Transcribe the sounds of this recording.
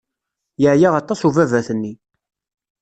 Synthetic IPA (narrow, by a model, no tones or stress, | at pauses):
jəʕjaʁɑt̪ˤːɑsuvævæθənːi